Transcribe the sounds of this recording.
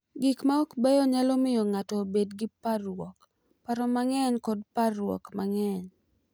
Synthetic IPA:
ɡɪkmaɔkbɛjɔɲalomɪjɔŋatɔbedɡɪparwɔk | paɾɔmaŋɛɲkɔdparwɔ̰kmaŋɛɲ

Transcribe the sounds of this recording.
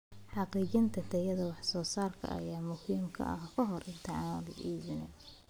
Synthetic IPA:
ħɑqiːt͡ʃɪnt̪ʰɐt̪ʰɛjɐðɐwɑħsɔːsaːrkʰɐ̰ʔɐ̰jaːmʊhiːmkʰɐ̰ʔɐ̰hkʰɔɦɔrʔɪnt̪ʰɛʕɑːnɐð̰ʔiːβɪnɛ

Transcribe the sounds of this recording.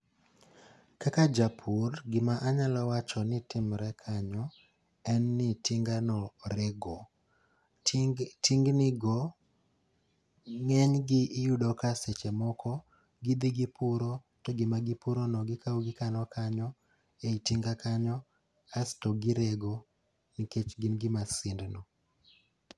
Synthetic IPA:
kakad͡ʒapʰurɡɪmaʔaɲalɔwat͡ʃɔnɪtɪmɾɛkʰaɲɔ | ɛnːɪtɪŋɡanɔɾeɡɔ | tiŋɡnɪɡɔ | ŋɛɲɡɪʔːjudɔkaset͡ʃemɔkɔ | ɡid̪iɡɪpʰʊɾo | tɔɡɪmaɡɪpuɾonɔɡɪkʰawɡɪkanɔkʰaɲɔ | eitiŋɡakaɲɔ | astɔɡɪɾeɡo | niket͡ʃɡɪnɡɪmasɪndnɔ

